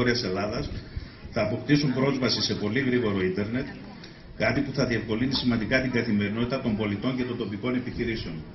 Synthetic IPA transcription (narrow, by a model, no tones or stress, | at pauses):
ɾiɐse̞lɐðɐs | θɐːpo̞pt̪isumbɾo̞zvɐsise̞po̞liɣɾiɣo̞ɾo̞ind̪e̞ɾne̞t̪ | kɐt̪ipuθɐðie̞fko̞linisimɐnd̪ikɐt̪iŋɡɐθime̞ɾino̞t̪it̪ɐt̪ombo̞lit̪o̞ɲce̞t̪o̞nd̪o̞piko̞ne̞piçiɾise̞o̞n